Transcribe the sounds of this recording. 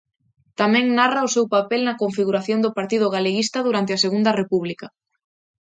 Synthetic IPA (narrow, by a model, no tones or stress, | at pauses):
t̪amɛ̃ŋnarɐʊsewpapelnɐkoɱfiɣuɾaθjond̪ʊpaɾt̪iðʊɣ̞aleɣist̪ɐðuɾant̪̬ɪaseɣund̪ɐrepuβlikɐ